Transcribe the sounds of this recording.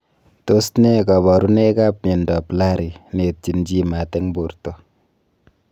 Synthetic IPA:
to˦stne˦ka˨bɔ˨ɾu˦ne˦ka˦pme˨nda˨pla˦ɾi˨ne˨t̚t͡ʃi˨nd͡ʒi˦ma˨tɛ˦ŋbo˨ɾto˨

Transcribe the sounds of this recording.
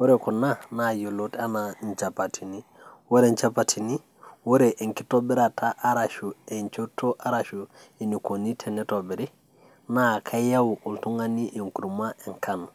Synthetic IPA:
wo˦ɾe˨ku˨na˦na˨jo˨lo˦ta˦na˨ɲt͡ʃa˨pa˨tʰi˨ni˦ | wo˦ɾe˦˨ɲt͡ʃa˦patʰi˨ni˦ | wo˦ɾe˨ʔe˨ŋki˦to˦bi˦ɾa˨ta˦ʔa˦ɾa˨ʃu˨e˨ɲt͡ʃo˦to˦ʔa˦ɾa˨ʃu˨e˨ni˨ko˨ni˦tʰe˨ne˦to˨bi˨ɾi˦ | na˦˨kʰa˦ja˦wuʔu˨ltu˦ŋa˦ni˦ʔe˨ŋku˨ɾu˨ma˦e˨ŋkʰan

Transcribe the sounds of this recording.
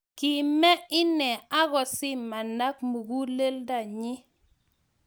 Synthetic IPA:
ki˨mɛ˦ɪ˦nɛ˨a˦ɣɔ˨sɪ˦mmːa˨na˦kmu˨ɡu˦le˦lda˦˨ɲɪ˦

